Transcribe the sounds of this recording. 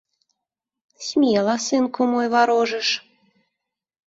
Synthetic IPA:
sʲmʲelˠɑsɨnkomojβɑɾoʒə̆ʃ

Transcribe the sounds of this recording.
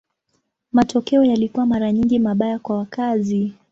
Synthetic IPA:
matɔkɛɔjalikuwamaɾaɲiŋɡimaɓajakwawakazi

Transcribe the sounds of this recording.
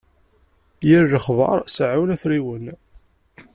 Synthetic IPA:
jəɾːəχvɑ̰ɾˤsʕunæθɾiwən

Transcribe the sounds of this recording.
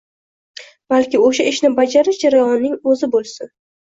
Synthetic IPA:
b̥alkʲɪoʃaʔɪʃnɪbad͡ʒaɾɪʃd͡ʒaɾajɒnːɪŋɵzɪbolˠsɪ

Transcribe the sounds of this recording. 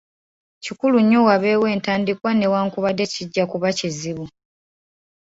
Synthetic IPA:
cikuluɲːowaβe̞ːwe̞ːntaːndikwane̞waːŋkuβade̞ciɟːakuβaciziβu

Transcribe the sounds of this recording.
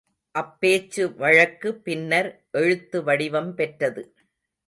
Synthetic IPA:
ʔɐpːeːt͡ʃːɯʋɐɻɐkːɯpːɪnːɐɾ | ʔɛɻɯt̪ːɯʋɐɽɪʋɐmpɛʈrɐðɯ

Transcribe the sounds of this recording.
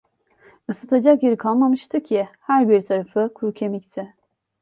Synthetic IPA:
ɯsɯt̪ʰad͡ʒakjeɾikʰalˠmamɯʃt̪ʰɯcʰɪhæɾbiɾt̪ʰaɾafɯkʰuɾcʰemict̪ʰɪ

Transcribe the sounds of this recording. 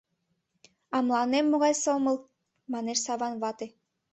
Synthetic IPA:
ɑmlˠɑnemːoɣɑjsoməlˠ | mɑneʃsɑβɑnβɑt̪e

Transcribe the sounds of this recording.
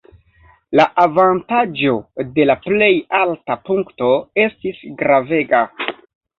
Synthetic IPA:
laʔavantad͡ʒo̞de̞laple̞jaltapuŋkto̞e̞stisɡɾave̞ɡa

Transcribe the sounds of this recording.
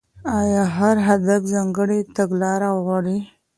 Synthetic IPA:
ɑjɑɦaɾɦad̪afzɑŋɡəɽet̪aɡlɑɾawɣwɑɽi

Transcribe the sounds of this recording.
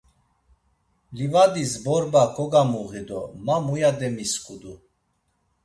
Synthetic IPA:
livad̪izbɔɾbakʰɔɡamuɣid̪ɔmamujad̪ɛmiskʼud̪u

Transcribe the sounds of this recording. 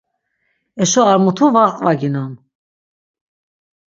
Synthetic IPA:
ɛʃɔaɾmut̪ʰuvaʁqʼvaɡinan

